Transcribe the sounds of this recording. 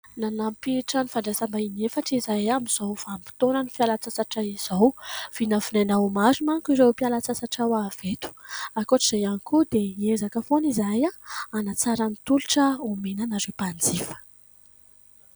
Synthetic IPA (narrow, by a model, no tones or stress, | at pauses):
nanampiʈ͡ʂənifaɳɖ͡ʐasambainefaʈ͡ʂizajamiz̥awfampi̥t̪onənifialat͡sasaʈ͡ʂaiz̥awv̥inəfinanaumazimankiɾewpialat͡sasaʈ͡ʂawav̥et̪u̥akoʈ͡ʂiz̥ajanikud̪eiezakəfonizajaanat͡saɾanit̪uluʈ͡ʂəumenanazepand͡zifə̥